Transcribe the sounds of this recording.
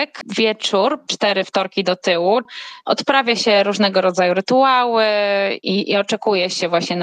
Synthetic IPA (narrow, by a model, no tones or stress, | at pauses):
kvʲjɛt͡ʂuɾt͡ʂt̪ɛɾɘft̪ɔɾkʲid̪ɔt̪ɘwuʔɔ̰t̪pɾavʲjaɕɛɾuʐnɛɡɔɾɔd̪zajuɾɘt̪uawɘiiɔt͡ʂɛkujɛɕɛvwaɕɲɛn